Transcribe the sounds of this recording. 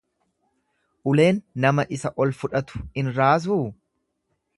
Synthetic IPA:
ʔʊle̞ːnːɐmɐʔɪsɐʔɔlfʊᶑɐt̪ʊ̥ɪnɾaːs̬uː

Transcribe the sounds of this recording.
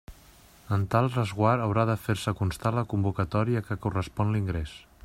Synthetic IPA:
ənt̪alˠrəzɣwaɾəwɾaðəfeɾsəkunst̪aləkumbukət̪ɔɾiəkəkurəspɔnliŋɡɾes

